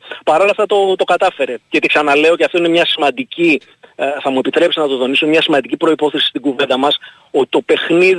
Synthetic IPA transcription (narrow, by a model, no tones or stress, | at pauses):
pɐɾo̞lɐft̪ɐt̪ot̪o̞kɐt̪ɐfe̞ɾe̞ʝɐt̪iksɐnɐle̞o̞ceɐft̪o̞inemɲɐsimɐnd̪ici | θɐmue̞pit̪ɾe̞psnɐt̪oðo̞nisomɲɐsimɐnd̪icipɾo̞ipo̞θe̞si̥st̪iɡuvend̪ɐmɐs | ot̪i̥t̪o̞pe̞xnið